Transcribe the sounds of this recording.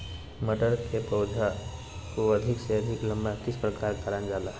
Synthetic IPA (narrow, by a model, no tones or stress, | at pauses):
məʈəɾkepəʊd͡ʒʱa | koɐd̪ʱɪkseəd̪ʱɪklə̃mbãkɪspɾəkaːɾkaɾə̃nd͡ʒaːla